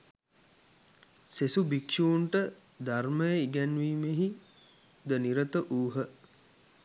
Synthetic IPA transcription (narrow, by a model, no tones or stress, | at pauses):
sesubikʃuːɳʈə | d̪arməjəiɡænʋiːmeɦi | d̪əniɾət̪əʔuːɦə